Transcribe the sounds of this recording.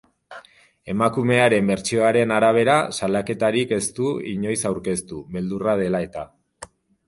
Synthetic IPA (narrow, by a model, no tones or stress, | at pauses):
e̞makume̞aɾe̞mbe̞ɾt͡ʃio̞aɾe̞naɾaβ̞e̞ɾasalake̞t̪aɾike̞st̪uḭɲo̞jsawɾke̞st̪uβe̞ld̪urað̞e̞lae̞t̪a